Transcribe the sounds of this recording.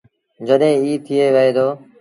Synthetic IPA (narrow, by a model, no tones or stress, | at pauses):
d͡ʒəɗɦẽːiːt̪ʰɪeːʋeeːd̪oː